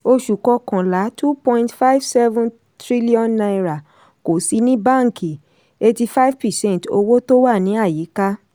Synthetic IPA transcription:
o˧ʃu˨kɔ˧kã˨la˨˦tu˦pɔ̃˦ĩ˦ntfa˦i˦vsɛ˦vũ˦n | tɾi˦li˦ɔ̃˦nːã˧iɾa˨ | ko˨si˨˧˦nĩ˦bã˦˨ŋ̩˨ki˨ | e˧ti˧fa˦i˦vpɛ˨sɛ̃˦n˨to˧wo˦to˦wa˦˨nĩ˨˦a˦˨ji˨˦ka˦

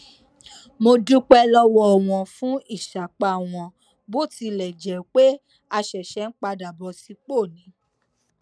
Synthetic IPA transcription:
mo˧du˦k͡pɛ˦lɔ˦wɔ˧˦ɔ˨w̃ɔ̃˧fũ˦i˦˨ʃa˨k͡pa˧˨w̃ɔ̃˧ | bo˦ti˧lɛ˨d͡ʒɛ˨k͡pe˦ | a˧ʃɛ˨ʃɛ˨˦n̩˦k͡pa˧da˨bɔ˧si˧k͡po˦˨nĩ˨˦

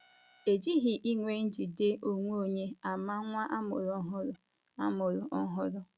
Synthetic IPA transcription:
e˨d͡ʒi˦ɦi˨ʔi˦ŋʷe˦n̩˦d͡ʒi˨de˦ʔo˨ŋʷ˦o˨ɲe˦a˨ma˦ŋʷa˦ʔa˦mʊ˨ɾɔ˦ɦʊ˦ɾʊ˦ | a̰˦mʊ˨ɾʊ˨ʔɔ˦ɦʊ˦ɾʊ˦

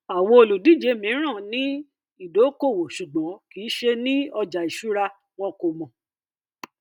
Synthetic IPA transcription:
a˨wo˧o˧lu˨di˨˦˨d͡ʒe˨˧˦mĩ˨˦ɾ̃ã˦˨nĩ˦ | i˦˨do˨˦ko˦˨wo˨ʃu˨ɡ͡bɔ̃˨˦ki˨˦ʃe˧nĩ˦ɔ˧d͡ʒa˨i˨ʃu˨˦ɾa˧ | w̃ɔ̃˧ko˨mɔ̃˨

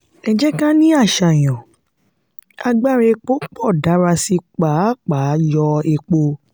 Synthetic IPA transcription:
ɛ˨d͡ʒɛ˦kã˦nĩ˦a˦˨ʃa˨j̃ɔ̃˨ | a˧ɡ͡ba˦˨ɾe˧k͡po˦k͡pɔ˦˨da˨˦ɾa˧si˧k͡pa˨˦˨k͡pa˨˦jɔ˧e˧k͡po˧

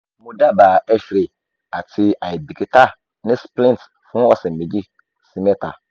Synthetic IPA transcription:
mʊ̃˦da˦baː˨ɛ˦ɕᶣɾe˨ | a˨tʰɪ˦a˨i˨bi˨kʰi˨tʰa˦ | nɪ̃˦splɪ̃˦nt | fʊ̃˦ɔ˨sɛ˨m̩˨mẽ˨d͡ʑi˦ | sĩ˦mɛ˦tʰa̰˨

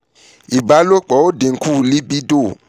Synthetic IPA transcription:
i˨ba˦lo˦˨k͡pɔ˨˦o˦de˨ŋ̩˦ku˦˨li˦bi˦do˦˨

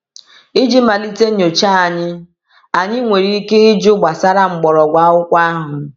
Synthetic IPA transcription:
i˦d͡ʒi˦ma˨li˦te˦ɲ˨o˨t͡ʃa˦a˨ɲɪ˦ | a˨ɲɪ˦ŋʷe˨ɾi˦i˦ke˦i˦d͡ʒo˦ɡ͡bʷa˨sa˦ɾa˦ŋ͡m̩˨ɡ͡bɔ˨ɾɔ˨ɡʷa˦ʊ˦kʷa˦a˦ɦʊ˨

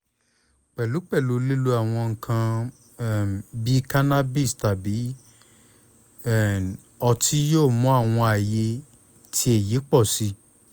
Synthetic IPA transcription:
k͡pɛ˨lu˨˦k͡pɛ˦˨lu˨˦le˦lu˧a˨w̃ɔ̃˧ŋ̩˨kʰã˧˨ | bi˦ka˦na˦bi˦˨sta˨bi˨˦˨ | ɔ˧tʰi˦joː˦˨mɔ̃˦a˦˨w̃ɔ̃˧a˨je˧ | tʰi˦e˨je˨˦k͡pɔ˦˨si˧˦

